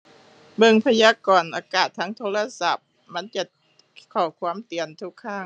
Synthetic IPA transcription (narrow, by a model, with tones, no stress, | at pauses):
bɤ˧˩ŋpʰa˧jaː˧˥kɔː˨˩nʔaː˨˩kaː˨˩t̪ʰːa˦˥ŋt̪ʰoː˧˥la˧sa˧˩p̚ | ma˧˥˨nt͡ɕa˧ | kʰɔː˧˩kʰwaː˧˥˨mt̪i˨˩ənt̪ʰu˧˥kʰːaː˧˥˩ŋ